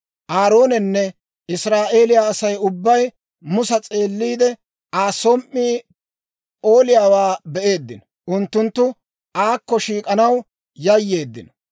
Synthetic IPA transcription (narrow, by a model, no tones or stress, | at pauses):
ʔaːɾo̞ːnɛnːɛ | ʔɪsɾaːʔe̞ːlɪjaːɐsɐjʊbːɐj | mʊsɐt͡sʼe̞ːlːiːd̪ɛ | aːsɔmʔːiː | o̞ːlɪjaːwaːbɛʔe̞ːd̪ːɪnɔ | ʔʊnt̪ːʊnt̪ːʊ | ʔaːkːɔʃiːkʼɐnɐw | jɐjːe̞ːd̪ːɪ̰nɔ